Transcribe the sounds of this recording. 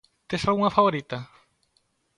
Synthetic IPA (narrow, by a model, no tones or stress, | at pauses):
t̪esalɣuŋɐfaβoɾit̪ɐ